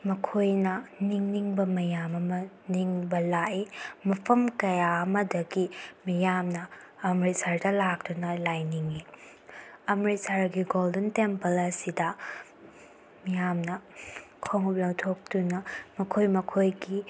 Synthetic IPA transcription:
mɐkʰojnɐniŋniŋbɐmɐjamɐmɐ | niŋbɐlaʔimɐpʰɐmkɐjaɐmɐdɐɡimijamnɐː | mɾisaɾdɐlak̚tunɐlajniŋi | ɐmɾisaɾɡiɡoldentempɐlɐsidɐ | mijamnɐ | kʰoŋup̚lɐwtʰok̚tunɐmɐkʰojmɐkʰojɡi

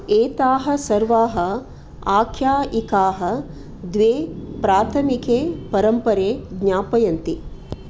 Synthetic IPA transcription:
eːt̪aːɦɐ̆sɐɾʋaːɦɐ̆ | aːkʰjaːikaːɦɐ̆ | d̪ʋeːpɾaːt̪ʰɐmikeːpɐɾɐmpɐɾeːɡɲaːpɐjɐnt̪i

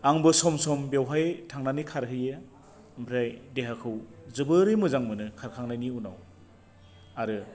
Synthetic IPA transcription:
aŋbɯsɔmsɔmbewɦajtʰaŋnanikʰaɾɦɯjɯ | mpʰɾajdeɦakʰɯwzɯbɯɾɯjmɯzaŋmɯnɯkʰaɾkʰaŋnajniuna̰w | aɾɯ

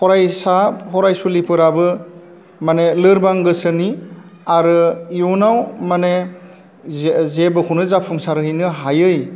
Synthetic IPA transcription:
pʰɔɾajsahɔɾajsulipʰɯɾabɯ | manelɯɾbaŋɡɯsɯni | aɾɯjunawmane | zebɯkʰunɯzapʰuŋsaɾɯɦijnɯɦajɯj

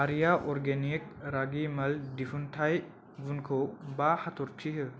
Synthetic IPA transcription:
aɾijaʔɔɾɡenik̚ɾaɡimɐldifʰunt̪ʰaj | ɡunkʰowbahat̪ʰuɾt͡ʃʰiɦɯ

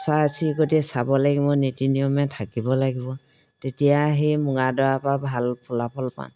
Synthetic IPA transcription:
sasiɡotisabɔlaɡibɔnetiniɔmɛtʰakibɔlaɡibɔ | tetijaɦimuŋadɔapabʱalpʰulapʰɔlpa̰n

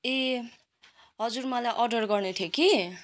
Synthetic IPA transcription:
e | ɦʌd͡zurmʌlajʔʌrɖʌrɡʌrnet̪ʰjoki

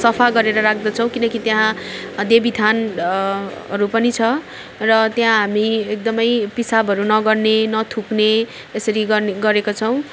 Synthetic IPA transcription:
sʌpʰaɡʌɾeɾʌɾak̚ʰd̪ʌt͡sʰʌw̃kinʌkit̪jaɦãd̪ebit̪ʰan | ʌ̰ɾupʌnit͡sʰʌ | rʌt̪jãɦamiek̚d̪ʌmʌjpisabʱʌɾunʌɡʌrnenʌt̪ʰukne | esʌɾiɡʌɡʌɾekot͡sʰʌw̃

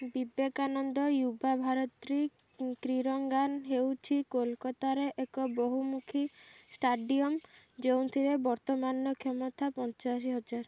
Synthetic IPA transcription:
bibekanɔnd̪ɔjubabʱaɾɔt̪ɾi | kɾiɾɔŋɡanɦewt͡ʃʰikolkɔt̪aɾeʔekɔboɦumukʰisʈaɖiɔm | d͡ʒewnt̪ʰibebɔɾt̪ɔmanːɔkʰɔmɔt̪ʰapɔnt͡ʃaʃ̬iɦɔd͡ʒaɾ

